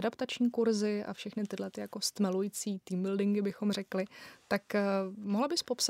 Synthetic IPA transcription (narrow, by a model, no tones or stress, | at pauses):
adapt̪at͡ʃɲiːkuɾzɪʔa̰fʃɛxnɪt̪ɪdlɛt̪ɪjako̞st̪mɛlujit͡siːt̪iːmbɪldɪŋɡɪbɪxo̞mrɛklɪt̪akmoɦlabɪspo̞ps